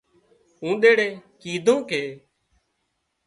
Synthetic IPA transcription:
ũːɗ̪eːɽeːkiːd̪ʱõːkʰeː

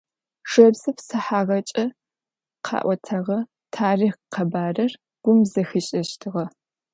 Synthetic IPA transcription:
ʂɐbzɨpsɐħaːʁɐt͡ʃʼɐ | qʰɑ̰ːʔʷɔtʰɐʁɐ | tʰaːriːχqɐbaːrɐr | ɡ̥ʷʊmzɐxiɕʼɐɕtʰɨʁɐ

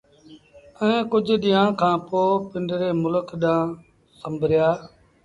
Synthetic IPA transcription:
ɛ̃ẽːkʊd͡ʒʱɗɪjãːkʰãːpoːpɪɳɖɾeːmʊləkʰɗãː | səmbʱɾɪjaː

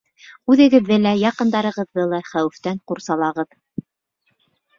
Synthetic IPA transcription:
ʉðɘ̆ɡɘ̆ðːɘlæjɑqɤ̆nd̪ɑɾɤ̆ʁɤ̆ðːɤlˠɑχæwɘ̆ft̪æɴquɾsɑlˠɑʁɤð

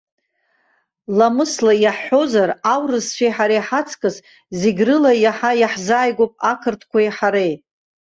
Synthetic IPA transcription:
lamɨslajaħːo̞zarawrɨzt͡ʃʷʰejħaɾejħat͡sʰkʼɨz | zeɡʲrɨlajaħajaħzaːjɡʷopʼakʰɨrtʰkʷaiħaɾejt

